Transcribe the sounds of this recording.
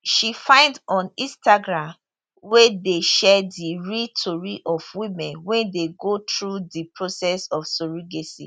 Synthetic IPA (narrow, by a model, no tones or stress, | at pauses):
ʃifãɪ̃ndɔ̃nĩstaɡɹãm | wɛdeʃɛdiɹitʰoɹiʔɔvwĩmɛ̃nwɛ̃ndeɡotɹudipɹosɛsɔfsoɹiɡesḭ